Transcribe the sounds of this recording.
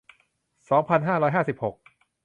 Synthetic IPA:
sɔː˩˦ŋpʰa˧nɦaː˥˩ɾɔː˦˥jɦaː˥˩si˨˩p̚ho˨˩k̚

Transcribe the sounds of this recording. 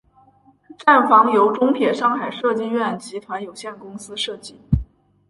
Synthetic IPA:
ʈ͡ʂa˥˩nfɑ˧˥ŋjo˧˥ʊʈ͡ʂʊ˥ŋt̪ʰjɛ˨˩ʂɑ˥˩ŋxa˨˩ɪʂɤ˥˧t͡ɕi˥˧ɥɛ˥˩nt͡ɕi˧˥t̪ʰwa˧˥njo˨˩ʊɕjɛ˥˩nkʊ˥ŋsɹ̩˥ʂɤ˥˧t͡ɕi˥˩

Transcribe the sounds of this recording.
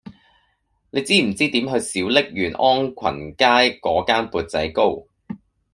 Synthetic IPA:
ne˨˧jt͡siː˥m̩˨˩t͡siː˥t̪iː˨˥mɦɵ˧ɥsiː˨˥wlɪ˥k̚jyː˨˩nʔɔː˥ŋkʷʰɐ̰˨˩nkaː˥jkɔː˨˥kaː˥npuː˧t̚t͡sɐ̰˨˥jko˥w

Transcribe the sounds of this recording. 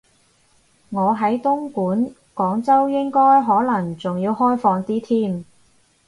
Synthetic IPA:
ŋɔː˨˧ɦɐ˨˥jt̪ʊ˥ŋkuː˨˥n | kɔː˨˥ŋt͡sɐ˥wjɪ˥ŋkɔː˥jɦɔː˨˥lɐ˨˩ŋt͡sʊ˨ŋjiː˧wɦɔː˥jfɔː˧ŋt̪iː˥t̪ʰiː˥m

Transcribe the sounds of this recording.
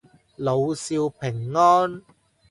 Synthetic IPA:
lo˨˧wsiː˧wpʰɪ˨˩ŋːɔː˥n

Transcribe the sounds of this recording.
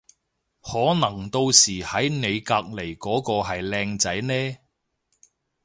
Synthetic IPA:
hɔː˨˥nɐ˨˩ŋt̪o˧wsiː˨˩hɐ˨˥jne˨˧jkaː˧k̚le˨˩jkɔː˨˥kɔː˧ɦɐ˨jlɛː˧ŋt͡sɐ˨˥jnɛː˥

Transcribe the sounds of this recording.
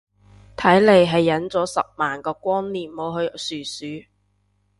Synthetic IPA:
t̪ʰɐ˨˥jle˨˧jɦɐ˨jːɐ˨˥nt͡sɔː˨˥sɐ̰˨p̚maː˨nkɔː˧kʷɔː˥nliː˨˩mmo˨˧ɦɵ˧ɥsyː˨˩syː˨˥

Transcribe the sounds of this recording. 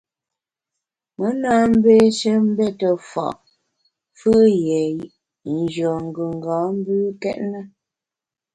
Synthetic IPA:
mə˨˦na˦m̩˦be˦ʃə˦m̩˦bɛ˦tə˨fɔ̰˨ʔ | fɨ˦jɛ˨ʔ | n̩˨d͡ʒɰɔ˨ŋ̩˨ɡʉ˨ŋ˨ɡɔ˨˦m̩˦bʉ˦kɛ̰˦ʔnə˦

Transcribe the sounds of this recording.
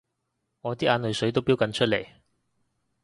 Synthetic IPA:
ŋɔː˨˧t̪iː˥ʔaː˨˧nlɵ˨jsɵ˨˥ɥt̪̬o˥wpiː˥wkɐ˨˧˥nt͡ʃʰɵ˥t̚lḛ˨˩j

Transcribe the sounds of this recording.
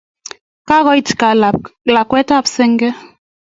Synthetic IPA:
ka˦ɣɔ˦ji˦tka˨la˨kwɛ˦ta˦˨psɛ˦ŋɡɛ˦

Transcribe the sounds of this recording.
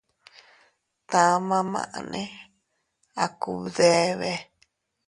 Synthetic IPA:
t̪ã˧mã˧mã̰˧˨ʔnẽ˦ | a˨ku˧ðe˧˦βe˧

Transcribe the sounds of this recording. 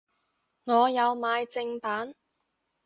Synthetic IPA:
ŋɔː˨˧jɐ˨˧wmaː˨˧jt͡sɪ˧ŋpaː˨˥n

